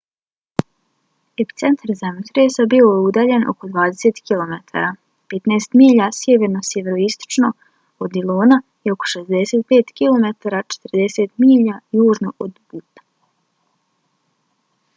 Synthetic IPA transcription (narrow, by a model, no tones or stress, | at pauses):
epi̥t̪se̞nt̪ʰaɾzamot̪ɾeːsabioud̪aːʎenʔo̞̰kod̪ʋaːd̪ese̞t̪kilˠo̞met̪ʰa̰ːɾa | pet̪neːst̪miːʎasjeʋeɾno̞sjeʋeɾoist̪o̥t͡ʃno̞ | od̪ilˠoːna | io̞ko̥ʃe̞zd̪e̞seːt̪̚peːt̪kilˠo̞met̪aɾat͡ʃe̥t̪rd̪e̞set̪miːʎajuːʒnoʔod̪but̪ḁ